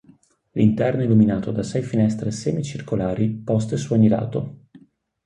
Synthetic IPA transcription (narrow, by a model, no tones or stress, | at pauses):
lḭnt̪ɛrnoɛluminaːt̪od̪asɛjfinɛst̪ɾeseːmit͡ʃirkolaːɾipɔs̬t̪esuaɲila̰ːt̪o